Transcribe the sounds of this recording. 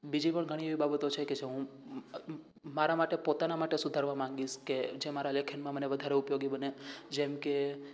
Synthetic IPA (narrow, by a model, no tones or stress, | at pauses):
bid͡ʒipəɳɡʱəɽ̃ĩeʋibabət̪ot͡ʃʰeked͡ʒeɦũ | maɾamaʈepot̪anamaʈesud̪ʱaɾʋamãŋɡiʃked͡ʒemaɾalekʰənmãməneʋəd̪ʱaɾeupjoɡibəned͡ʒemke